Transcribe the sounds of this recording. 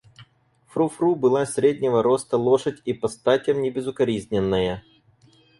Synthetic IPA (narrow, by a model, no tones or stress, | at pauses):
fɾufrubɨlˠasʲɾʲedʲnʲɪvəɾo̞st̪əlˠoʂətʲipɐst̪atʲəmnʲɪbʲɪzʊkɐɾʲizʲnʲɪnːəjə